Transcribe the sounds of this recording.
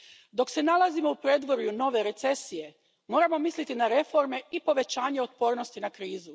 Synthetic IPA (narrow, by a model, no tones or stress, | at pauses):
d̪o̞kse̞nalˠazimo̞upɾeːd̪ʋo̞ɾjuno̞ʋe̞ɾe̞t̪se̞sije̞ | mo̞ːɾamo̞mislit̪inaɾe̞fo̞ɾme̞ipo̞ʋe̞t͡ɕaːɲe̞ot̪̚po̞ːɾno̞st̪inakɾiːzu